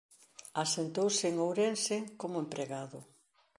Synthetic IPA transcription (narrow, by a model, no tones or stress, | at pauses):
asent̪owsɪŋowɾensɪkomʊempɾeɣaðʊ